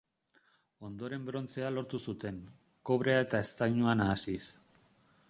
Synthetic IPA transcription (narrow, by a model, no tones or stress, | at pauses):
o̞nd̪o̞ɾe̞mbɾo̞nt͡se̞alo̞ɾt̪usut̪e̞ŋ | ko̞β̞ɾe̞ae̞t̪ae̞st̪ajɲuanaːsis